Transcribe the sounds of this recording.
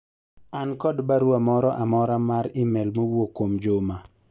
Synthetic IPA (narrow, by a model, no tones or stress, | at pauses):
ankɔdbaɾwamɔɾɔʔamɔɾamaɾɪmɛlmowokwomd͡ʒʊma